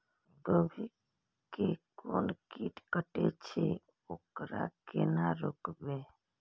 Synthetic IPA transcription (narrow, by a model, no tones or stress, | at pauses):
ɡəbʱi | kekonkiʈkəʈet͡ʃʰe | okɾa̰kenaɾokbe